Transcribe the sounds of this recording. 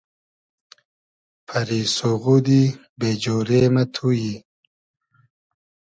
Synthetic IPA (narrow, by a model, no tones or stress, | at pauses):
pʰɐɾisoɣud̪i | bed͡ʑoːɾemat̪ʰuji